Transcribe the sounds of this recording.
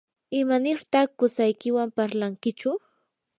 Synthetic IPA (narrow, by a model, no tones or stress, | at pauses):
ɪmanɪɾt̪ɑχkʊsajkɪwampaɾlaŋkɪt͡ʃʊ